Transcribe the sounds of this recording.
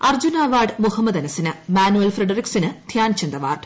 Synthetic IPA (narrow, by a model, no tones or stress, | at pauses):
ɐrd͡ʑunaːʋaːɖmuhɐmːɐd̪ɐnɐsinɨmaːnuelfreɖɐriksinɨd̪ʱjaːnt͡ɕend̪ɐʋa̰ːrɖ